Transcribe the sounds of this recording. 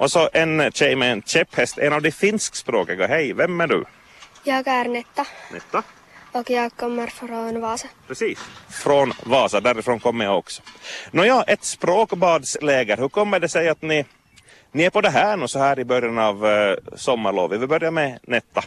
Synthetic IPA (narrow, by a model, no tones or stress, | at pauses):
ʔɔsɔʔɛnɕɛjmɛɛnt͡ʃɛphɛst̪ɛnɑvd̪ɛfɪnskspɾoːkəɡaɦɛjvɛmːæɖʉ̰ | jɑːɡæːɾnɛt̪ːɑnɛt̪ːa | ɔkjɑːkːɔmːəɾfɾoːnʋɑːsɑpʰɾɛsiːsfɾɔnvɑːsad̪æɾɪfɾoːnkʰɔmːəjaɔksɔ̥nɔjɑːʔɛt̪spɾoːkbɑːd̪sleːɡəɾhʉɾkʰɔmːəɖɛsɛjat̪nɪ | nɪæɾpɔd̪ɛɦæːɳʉːsɔhæːɾɪbœɾjanɑvsɔmːaɾɭo̰ːʋɪvɪlbœɾjamɛnɛt̪ːa